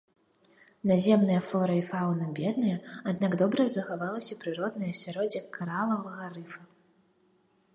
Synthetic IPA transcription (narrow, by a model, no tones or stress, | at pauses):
nazʲɛmnɐjɐflˠɔɾɐifawnɨbʲɛd̪̚nɐjɐad̪̚naɡd̪ɔbɾɐzɐxavalˠɐsʲɐpɾɨɾɔd̪nɐjɐsʲaɾɔd͡zʲikʰaɾalˠɐvɐɣɐrɨfɐ